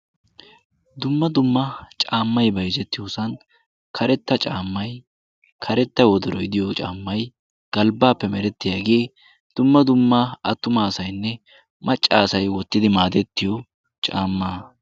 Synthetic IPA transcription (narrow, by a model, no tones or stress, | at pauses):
d̪ʊmːɐd̪ʊmːɐt͡ʃʼaːmːɐjbɐjzɛt̪ːɪjoːsɐn | kʰɐɾɛt̪ːɐt͡ʃʼaːmːɐj | kʰɐɾɛt̪ːɐwɔd̪ɔɾɔjɪd̪ɪjot͡ʃʼa̰ːmːɐj | ɡ̥ɐlbaːpːɛmɛɾɛt̪ːɪjaːɡe̞ː | d̪̥ʊmːɐd̪ʊmːaɐt̪ːʊmaːsɐjnːɛ | mɐt͡ʃʼːaːsɐjwɔt̪ːɪd̪ɪmaːd̪ɛt̪ːɪjɔ | t͡ʃʼaːmːaː